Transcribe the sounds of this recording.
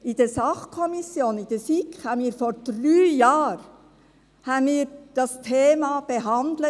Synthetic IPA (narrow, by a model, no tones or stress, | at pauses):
id̥ɛsɑχkʰɔmisjoːnid̥ɛfikχhɑːbniːɾfoːɾd̥ryːjɑːɾ | hɑːbniːɾd̥ɑstʰeːmɑb̥eɦɑnd̪lə